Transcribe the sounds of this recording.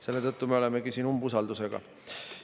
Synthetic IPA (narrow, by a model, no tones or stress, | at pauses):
se̞lːe̞t̪ɤt̪ːume̞o̞leme̞ɡ̥isiːnumbusɑld̪use̞ɡ̥ɑ̰